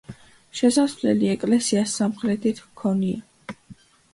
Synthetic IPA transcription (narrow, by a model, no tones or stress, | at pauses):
ʃɛsasvlɛ̰liɛkʼlɛsiasːamχɾɛt̪ʰit̪ʰmkʰɔnia